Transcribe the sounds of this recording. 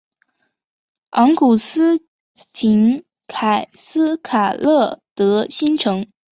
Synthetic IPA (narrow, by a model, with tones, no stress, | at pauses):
ɑ˧˥ŋku˨˩sɹ̩˥ | t͡ɕʰi˧˥n | kʰa˨˩ɪsɹ̩˥kʰa˨˩lɤ˥˩t̪ɤ˧˥ɕi˥nʈ͡ʂʰɤ˧˥ŋ